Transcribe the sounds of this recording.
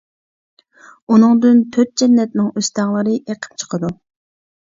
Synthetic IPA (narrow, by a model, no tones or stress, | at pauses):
unɨŋd̪ynt̪ʰøt̪̚d͡ʒɛnːɛt̪nɪŋøst̪ɑŋlˠəɾɨʔeqʰə̥p̚t͡ʃʰə̥qʰəd̪u